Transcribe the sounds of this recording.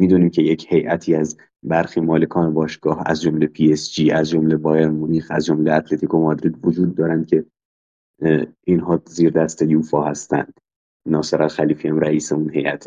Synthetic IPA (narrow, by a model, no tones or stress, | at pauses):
miːd̪uːniːmcʰe̞jecʰhe̞jʔæt̪ʰiːæz | bæɾxiːmɒːle̞kʰɒːnebɒːʃɡ̥ɒːhæ̰zd͡ʒo̞mlepʰiesd͡ʒiːæzd͡ʒomle̞bɒːjeɾmoniːxæzd͡ʒo̞mleæt̪ʰle̞t̪ʰiːkʰo̞mɒːd̪ɾiːd̪vod͡ʒuːd̪ːɒːɾænd̪̚cʲʰe̞ | inɦɒːziːɾd̪æst̪ejuːfɒːhæst̪æ̰nd̪̥ | nɒːseɾælxæliːfiæmɾæiːseunɦe̞jʔæ̰t̪ʰ